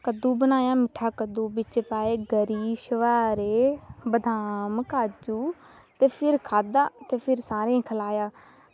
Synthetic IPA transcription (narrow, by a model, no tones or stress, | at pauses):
kəd̪ũːbənaːjaːmɪʈʰːaːkəd̪ũːbɪt͡ʃpaːeːɡəɾiːʃəʋaːɾeːbəd̪ʱaːmkaːd͡ʒuː | t̪eːpʰɪɾkʰaːd̪aːt̪eːpʰɪɾsaːɾẽːkʰəlaːjaː